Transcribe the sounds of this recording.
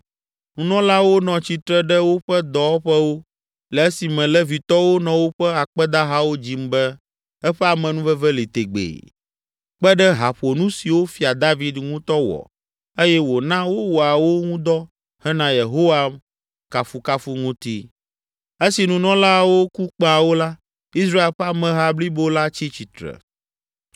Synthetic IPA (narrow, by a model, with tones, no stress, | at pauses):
nũ˨nɔ̃˦la˦wo˦nɔ̃˨t͡ɕi˨t̪ɾɛ˦ɖɛ˦wo˦ɸɛ˦d̪ɔ˨˦ɸɛ˦wo˦ | lɛ˨ɛ˦si˨mɛ̃˨lɛ˦vi˨t̪ɔ˦wo˦nɔ̃˨wo˦ɸɛ˦a˨k͡pɛ˦d̪a˦ɦa˦wo˦d͡ʑi˦mbɛ˦ | ɛ˦ɸɛ˦a˨mɛ̃˨nũ˦vɛ˦vɛ˦li˨t̪e˨ɡ͡bḛ˨ | k͡pɛ˦ɖɛ˦ɦa˨ɸo˨nũ˦si˨wo˦fi˦a˨d̪a˦vi˦d̪ŋũ˦t̪ɔ˦wɔ̰˨ | e˦jɛ˦wo˨nã˦wo˦wo˨a˨wo˦ŋũ˦d̪ɔ˦ | hɛ˦nã˦je˨ɦo˦wa˨m | ka˨fu˦ka˦fu˦ŋũ˦t̪i˦ | e˦si˨nũ˨nɔ̃˦la˦wo˦ku˦k͡pa˨wo˦la˦ | i˦s̬ɾa˦e˦lɸɛ˦a˨mɛ̃˨ɦa˦bli˦bo˦la˦t͡ɕi˦t͡ɕi˨t̪ɾɛ̰˨